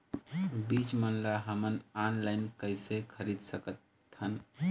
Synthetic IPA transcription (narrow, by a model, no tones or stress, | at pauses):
bit͡ʃmənlaɦəmənanlaɪnkəɪsekʰəɾid̪səkət̪ | hən